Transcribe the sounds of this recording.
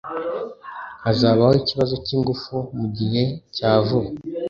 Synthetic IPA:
azaːβahoiciβazo̞ciːŋɡufumuɟihe̞caːvuɾ

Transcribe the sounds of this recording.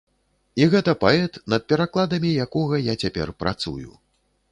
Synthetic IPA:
iɣɛt̪ɐpaɛt̪nɐt̪̚pʲɛɾaklˠad̪ɐmʲijakɔɣɐjat͡sʲapʲɛ̰rpɾa̰t̪sṵjṵ

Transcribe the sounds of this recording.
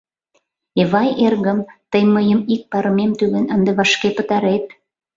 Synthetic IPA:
eβɑjerɣəmt̪əjməjəmik̚pɑɾəmemt̪ylenənd̪eβɑʃkepət̪ɑɾet̪̚

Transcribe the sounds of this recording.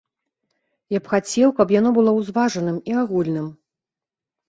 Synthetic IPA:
japxat͡sʲɛwkɐpjan̪ɔbɨlˠɔwzvaʐɐnɨmiaɣulʲnɨm

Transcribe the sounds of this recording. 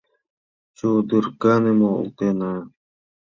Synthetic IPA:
t͡ɕoːd̪iɾkaːnemoːṵt̪eːnaː

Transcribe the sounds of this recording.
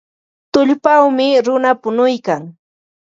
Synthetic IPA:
t̪ʊʎpawmɪɾʊnapʊnʊjkaŋ

